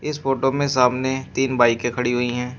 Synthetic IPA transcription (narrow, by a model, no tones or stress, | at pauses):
ɪsfoːʈomẽsaːmnet̪iːnbaːikekʰɐɽiɦʊiɦɛ̃ː